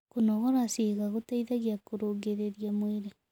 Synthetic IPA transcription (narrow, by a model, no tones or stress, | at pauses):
kunɔɣɔɾasiɣaɣotaiðaɣjakoɾoɡeɾeɾjamweɾe